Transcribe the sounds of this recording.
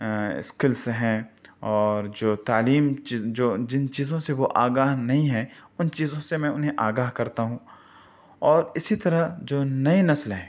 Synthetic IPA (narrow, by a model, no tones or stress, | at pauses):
ɪ̰skɪlseɦɛ̃ːɔːɾd͡ʒoːt̪aːliːmt͡ʃid͡ʒoːd͡ʒɪnt͡ʃiːzõseʋoʔaːɡaːɦnɐɦĩɦɛ̃ːʊnt͡ʃiːzõsemɛ̃ʊnɦẽʔaːɡaːɦkɐɾt̪aɦũː | ɔːɾɪsit̪ɐɾaɦd͡ʒoːnɐinɐslɦɛ̃ː